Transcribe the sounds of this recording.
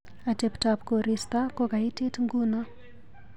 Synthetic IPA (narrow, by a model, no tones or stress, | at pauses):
ateptapkoɾist̪akokaitetŋɡuna